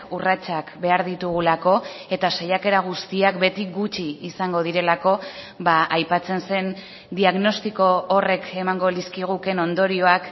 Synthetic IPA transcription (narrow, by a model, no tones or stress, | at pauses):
urat͡sakbe̞aɾðit̪uɣ̞ulako̞e̞t̪asejake̞ɾaɣ̞ust̪iakbe̞t̪iɡut͡ʃiːsaŋɡo̞ð̞iɾe̞lako̞ | baʔajpat͡se̞nse̞n | d̪iaɣno̞st̪iko̞ːre̞ke̞maŋɡo̞liskiɣ̞uke̞no̞nd̪o̞ɾio̞ak